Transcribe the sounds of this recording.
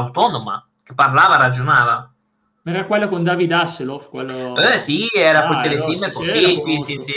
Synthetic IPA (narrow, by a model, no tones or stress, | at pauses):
wt̪ɔːnoma̰ | k̟epːarlaːvaɾad͡ʒonaːva | mɛɾakwɛlːokond̪avid̪aselofkwɛlːoɛsiɛːɾapott̪elefilmeposisisisi